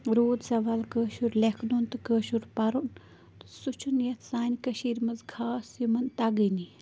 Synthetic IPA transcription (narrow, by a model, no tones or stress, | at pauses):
ɾoːd̪sɐʋalkəːʃuɾlʲekʰnunt̪ɨkəːʃuɾpɐɾun | t̪sut͡ʃʰunjɐt̪ʰsaːnʲkəʃiːɾmɐzɡʰaːsimɐnt̪aɡəni